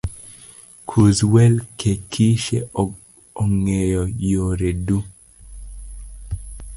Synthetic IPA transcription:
kʰuzwɛlkʰekʰiʃe | ɔŋejɔjoɾedu

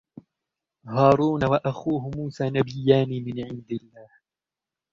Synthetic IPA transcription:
hɑːɾuːnawaʔaxuːhʊmuːsaːnabɪjːaːnimɪnʕɪnd̪ɪlːaːh

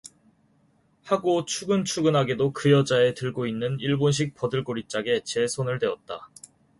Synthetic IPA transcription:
haɡot͡ɕʰuɡɯnt͡ɕʰuɡɯnɦaɡedokɯjʌd͡ʑae̞tɯɭɡoinːɯniɭbonɕ̬ʰik̚pʌdɯɭk͈oɾit͡ɕ͈aɡe̞t͡ɕe̞sʰonɯɭdwe̞ʌt̚t͈a̰

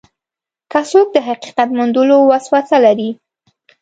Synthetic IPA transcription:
kasok̚d̪əɦaqiqat̪mand̪əlowaswasalaɾi

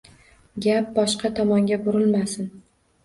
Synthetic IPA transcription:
ɡʲap̚bɒʃqɑt̪ʰɒmɒŋɡʲabʊɾɪlmasɪn

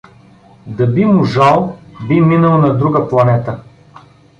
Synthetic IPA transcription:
d̪ɐbimʊʒalˠbiminɐlˠnɐd̪ɾuɡəplˠɐnɛt̪ə

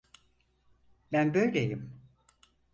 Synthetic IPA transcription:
bænbøjlʲejim

